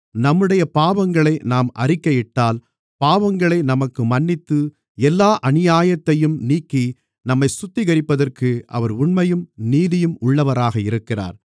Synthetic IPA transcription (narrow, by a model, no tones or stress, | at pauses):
nɐmːɯɽɐjɐpaːʋɐŋɡɐɭɐɪnaːmʔɐ̰rɪkːɐjɪʈːaːl | paːʋɐŋɡɐɭɐɪnɐmɐkːɯmɐnːɪt̪ːɯ | ɛlːaːʔɐnɪjaːjɐt̪ːɐjɯmniːkːi | nɐmːɐɪsʊt̪ːɪɣɐɾɪpːɐðɐrkɯʔɐ̰ʋɐɾʊɳmɐjɯmniːðɪjɯmʊɭːɐʋɐɾaːɣɐɪɾɯkːɪra̰ːɾ